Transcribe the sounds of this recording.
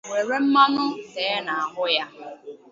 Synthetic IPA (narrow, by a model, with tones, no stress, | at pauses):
ŋʷe˨ɾe˦m̩˦ma˦nʊ˦teː˨˦na˨a˨ɦʊ˦ja˦